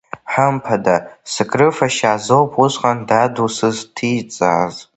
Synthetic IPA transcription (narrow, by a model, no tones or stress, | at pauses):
ħampʰadasɨkʼrɨfaʃaːzowpʰʊʃʷqʼandadusɨztʰit͡sʼa̰ːz